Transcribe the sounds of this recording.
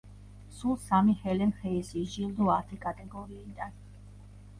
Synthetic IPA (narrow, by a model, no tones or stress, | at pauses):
sulˠsamihɛlɛmχɛisiʒilˠd̪uaɾt̪ʰɛkʼat̪ʼɛɡɔɾiːd̪an